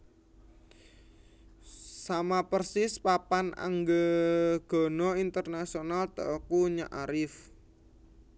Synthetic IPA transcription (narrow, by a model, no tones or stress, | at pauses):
samapərsɪspapana̰ŋɡəɡ̥ɔ̤nɔint̪ərnasionalt̪ə̰ʔɔkuɲa̰ʔaɾɪf